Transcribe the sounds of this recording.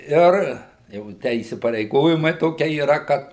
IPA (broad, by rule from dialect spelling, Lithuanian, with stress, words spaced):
ˈɪr jɛʊ ˈtʲæː iːsʲɪpɐrʲɛɪˈɡoːjɪmɐɪ ˈtoːkʲiɛ iːˈrɐ ˈkɐt